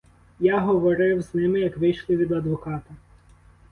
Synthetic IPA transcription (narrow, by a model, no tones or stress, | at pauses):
jaɦɔʋɔɾɪwznɪmɪjɐkʋɪjʃlˠɪʋʲid̪ɐd̪ʋɔkɑt̪ɐ